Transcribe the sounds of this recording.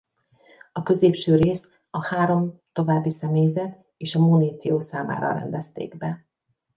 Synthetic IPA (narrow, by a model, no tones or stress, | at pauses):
ɒkø̞zeːpʃøːɾeːs | ɒhaːɾo̞mt̪o̞vaːbːisɛmeːjzɛt̪ | eːʃɒmonit̪sioːsaːma̰ːɾɒ̰ɾɛ̰nd̪ɛst̪ḛːɡbɛ